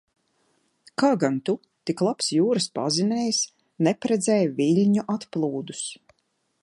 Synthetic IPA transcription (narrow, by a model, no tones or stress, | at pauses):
kaːɡant̪u | t̪iklˠapsjuːɾɨspa̰zinɛjs | nɛpɾɛd̪zɛjviʎʲɲuʔat̪plˠuːd̪us